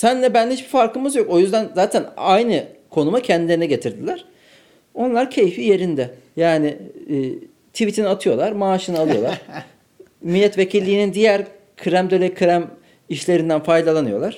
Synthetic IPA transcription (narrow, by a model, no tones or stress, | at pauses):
sænlʲɛbænɛhit͡ʃbifaɾkʰɯmɯzjo̞ko̞jyzd̪ænzaːt̪ʰænajnɯkʰo̞numacʰɛnd̪ilʲeɾinɛɟe̞t̪ʰiɾd̪ilʲæɾ̥ | o̞nlˠaɾcʰe̞jfije̞ɾind̪ɛ | jaːnɪː | t̪ʰivit̪ʰinat̪ʰɯjo̞lˠaɾmaːʃɯnɯalˠɯjo̞lˠaɾɾ̥ | milʲːɛt̪ve̞cʰilʲːiːnind̪ijæɾ | kʰɯɾæmd̪ølʲekʰɯɾæm | iʃlʲe̞ɾind̪ænfajd̪alˠanɯjo̞lˠaɾ̥